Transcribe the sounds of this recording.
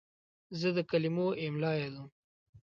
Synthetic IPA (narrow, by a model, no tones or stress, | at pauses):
zəd̪əkalimoɪmlɑjad̪um